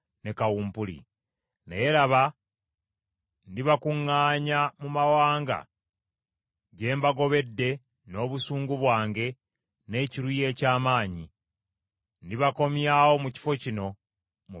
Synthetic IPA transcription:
ne̞kawuːmpulḭ | nḛjeɾaβa | ndiβakuŋːaːɲamumawaːŋɡa̰ | ɟe̞ːmbaɡo̞βe̞dːe̞ | no̞ːβusuːŋɡuβwaːŋɡe̞ | ne̞ciɾuje̞ːcaːmaːɲi | ndiβako̞mjawo̞muci̥fo̞cino̞ | mu

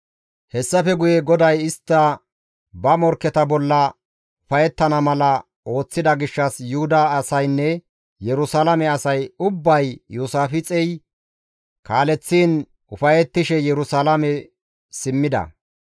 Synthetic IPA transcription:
hɛsːɐfɛɡʊjɛɡɔd̪ɐjɪst̪ːɐ | bɐmɔɾkːɛt̪ɐbɔlːɐ | ʊfɐjɛt̪ːɐnɐmɐlɐ | o̞ːt͡sːɪd̪ɐɡɪʃːɐsjʊhʊd̪ɐːsɐjnːɛ | jɛɾʊsaːlɐmɛɐsɐjʊbːɐjjuːsaːfɪt͡sʼɛj | kaːlɛt͡sːiːn | ʊfɐjɛt̪ːɪʃɛjɛɾʊsalɐmɛ | sɪmːɪd̪ɐ̰

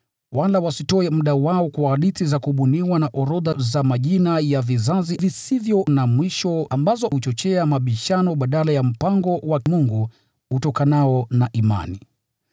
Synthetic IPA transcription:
walawasitɔɛm̩ɗawaɔkwaːɗiθizakuɓuniwanaʔɔɾɔðazamaʄinajavizazivisivjɔnamwiʃɔambazɔhut͡ʃɔt͡ʃɛamaɓiʃanɔɓaɗalajam̩paŋɡɔwamuŋɡu | hutɔkanaɔnaʔima̰nḭ

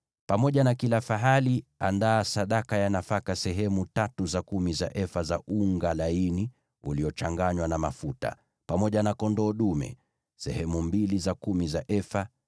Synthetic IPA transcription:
pamɔʄanakilafaɦalia̰ndaːsaɗakajanafakasɛɦɛmutatuzakumiza̰ʔɛfazaʔuŋɡalaini | ṵliɔt͡ʃaŋɡaɲwanama̰futa̰ | pamɔʄanakɔndɔːɗumɛ̰ | sɛ̰hɛmumbilizakumizaʔɛfa

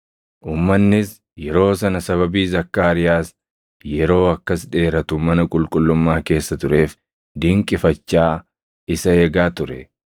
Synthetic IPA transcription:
ʔuːmːɐnːɪs | jɛɾo̞ːsɐnɐsɐβɐbiːzɐkːaːɾɪjaːs | jɛɾo̞ːɐkːɐsᶑe̞ːɾɐt̪ʊmɐnɐkʼʊlkʼʊlːʊmːaːke̞ːsːɐt̪ʊɾe̞ːf | d̪ɪŋkʼɪfɐt͡ʃːaː | ɪsɐeːɡaːt̪ʊɾɛ

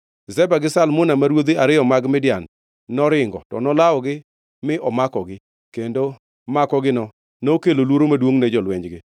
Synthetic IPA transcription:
zɛbaɡɪsalmʊnamaɾwod̪iaɾɪjɔmaɡmɪdɪjanː | ɔɾɪŋɡɔtɔ̰nɔlaɔɡɪ | mɪʔɔmakɔɡɪ | kendo | makɔɡɪnɔ | nookelolwoɾomadwoŋnɛd͡ʒɔlwɛɲd͡ʒɡɪ

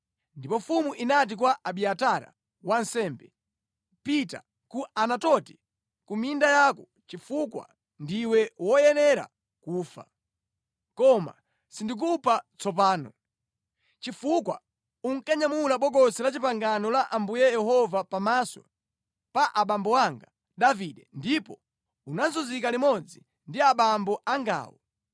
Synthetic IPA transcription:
ndipɔfumuʔinat̬ikwaʔaɓiataɾa̰ | wansɛːmbɛ | pita̰ | kuʔanatɔti | kumindajakɔ | t͡ʃifukwa̰ | ndiwɛwɔjɛnɛɾa̰ | kuːfa̰ | kɔma̰ | sindik̬upʰat͡sɔp̬aːnɔ̰ | t͡ʃifukwa̰ | uŋ̩kaɲamulaɓɔɡɔsɛlat͡ʃipaŋɡanɔlaʔambujɛjɛhɔvapamasɔ̰ | paʔaɓambɔwaŋɡa | ɗaviɗɛndipɔ | unanzuzikalimɔd͡zi | ndiaɓambɔʔaŋɡa̰ːwɔ̰

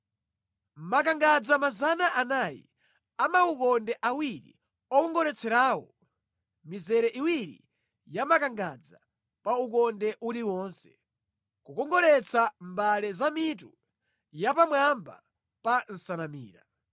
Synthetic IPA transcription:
m̩mak̬aŋɡad͡zamazanaʔanaːjḭ | amaukɔndɛʔawiɾḭ | ɔkɔŋɡɔɾɛt͡sʰɛɾaːwɔ̰ | mizɛɾɛʔiwiɾḭ | jamakaŋɡad͡za̰ | paukɔndɛʔuliwɔːnsɛ̥ | kukɔŋɡɔlɛt͡sʰambalɛzamitu | japamwamba̰ | pan̩sanamiːɾa

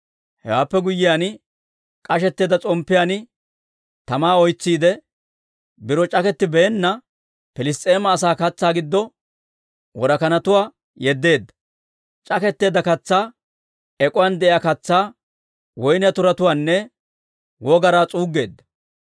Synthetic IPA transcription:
hɛ̰waːpːɛɡʊjːɪjan | kʼɐʃɛt̪ːe̞ːd̪ɐt͡sʼɔmpːɪjaːnɪ | t̪ɐmaːɔjt͡sːiːd̪ɛ | bɪɾɔt͡ʃʼɐkɛt̪ːɪbɛːnːɐ | pɪlɪstʼeːmɐːs̬aːkɐt͡sːaːɡɪd̪ːɔ | wɔɾɐkɐnɐt̪ʊwaː | jɛd̪ːe̞ːd̪ːɐ̥ | t͡ʃʼɐkɛt̪ːe̞ːd̪ɐkɐt͡sːaː | ɛkʼʊwand̪ɛʔɪjaːkɐt͡sːaː | wɔjnɪjɐt̪ʊɾɐt̪ʊwaːnːɛ | wɔɡɐɾaːt͡sʼuːɡːe̞ːd̪ːɐ̥

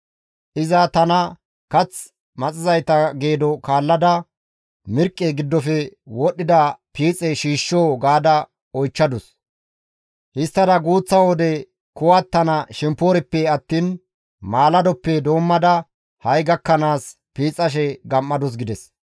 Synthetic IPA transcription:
ʔɪzɐt̪ɐnɐ | kɐt͡s | mɐt͡sʼɪzɐjt̪ɐɡe̞ːd̪ɔkaːlːɐd̪ɐ | mɪɾkʼːɛɡɪd̪ːɔfɛwɔɗːɪd̪ɐpiːt͡sʼɛʃiːʃːoːɡaːd̪ɐ | ɔjt͡ʃːɐd̪ɔs | hɪst̪ːɐd̪ɐɡuːt͡sːɐwɔd̪ɛ | kʊwɐt̪ːɐnɐʃɛmpːoːɾɪpːɛɐt̪ːiːn | maːlɐd̪ɔpːɛd̪o̞ːmːɐd̪ɐ | hɐjɡɐkːɐnaːs | piːt͡sʼːɐʃ̬ɛɡɐmːɐd̪ɔs̬ɡɪd̪ɛs

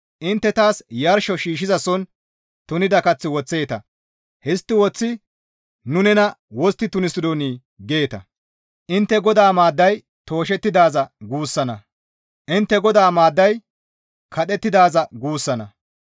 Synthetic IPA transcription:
ʔɪnt̪ːɛt̪aːsjɐɾʃɔʃiːʃ̬ɪzɐsɔn | t̪ʊnɪd̪ɐkɐt͡sːɪwɔt͡sːe̞ːt̪ɐ | hɛst̪ːɪwɔt͡sːɪ | nʊnɛnɐwɔst̪ːɪt̪ʊnɪsɪd̪oniː | ɡe̞ːt̪ɐ̰ | ʔɪnt̪ːɛɡɔd̪aːmaːd̪ːɐj | t̪o̞ːʃ̬ɛt̪ːɪd̪aːzɐɡuːsːɐnɐ | ʔɪnt̪ːɛɡɔd̪aːmaːd̪ːɐj | kʰɐɗɛt̪ːɪd̪aːzɐɡuːsːɐnɐ

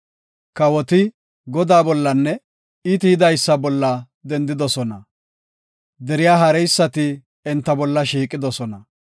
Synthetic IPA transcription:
kɐwɔt̪ɪ | ɡɔd̪aːbɔlːɐnːɛ | ɪt̪ɪhɪd̪ɐjsːɐbɔlːɐ | d̪ɛnd̪ɪd̪ɔsɔnɐ | d̪ɛɾɪjaːɦɐɾɛjsːɐt̪ɪ | ɛnt̪ːɐbɔlːɐʃiːkʼːɪd̪ɔsɔnɐ

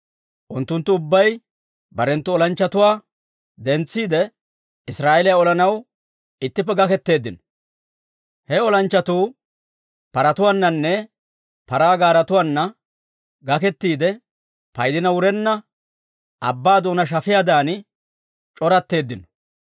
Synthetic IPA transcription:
ʔʊnt̪ːʊnt̪ːʊʊbːɐj | bɐɾɛnt̪ːʊɔlɐnt͡ʃːɐt̪ʊwaː | d̪ɛnt͡sːiːd̪ɛ | ɪsɾaːɛlɪjaɔlɐnɐw | ɪt̪ːɪpːɛɡɐkɛt̪ːe̞ːd̪ːɪnɔ̥ | hɛɔlɐnt͡ʃːɐt̪uː | pɐɾɐt̪ʊwanːɐnːɛ | pɐɾaːɡaːɾɐt̪ʊwaːnːɐ | ɡɐkɛt̪ːiːd̪ɛ | pɐjd̪ɪnɐwʊɾɛnːɐ | ʔɐ̰bːaːd̪oːnɐʃ̬ɐfɪjad̪aːn | t͡ʃʼɔɾɐt̪ːe̞ːd̪ːɪnɔ

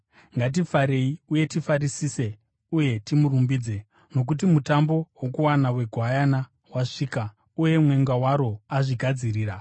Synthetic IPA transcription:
ŋɡat̬ifaɾe̞iuje̞tifaɾisiːse̞ | uje̞timurumbiːd͡ze̞ | no̞k̬utimutambo̞wokuwanawe̞ɡʱwajana | waʂiːka | uje̞mwe̞ŋɡawaɾo̞aʐiɡʱad͡ziriːra

